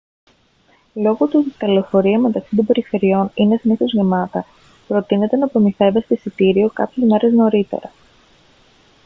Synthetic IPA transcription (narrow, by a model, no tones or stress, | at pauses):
lo̞ɣot̪ut̪ɐlo̞fo̞ɾiɐme̞t̪ɐksi̥t̪o̞mbe̞ɾife̞ɾio̞ninesiniθo̞zʝemɐt̪ɐ | pɾo̞t̪ine̞t̪e̞nɐpɾo̞miθe̞vest̪esit̪iɾio̞kɐ̰pçezme̞ɾe̞zno̞ɾit̪e̞̰ɾɐ